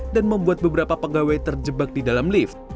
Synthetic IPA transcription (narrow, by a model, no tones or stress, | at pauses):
danməmbuat̪̚bəbəɾapapəɡawat̪ərd͡ʒəbak̚didalamlif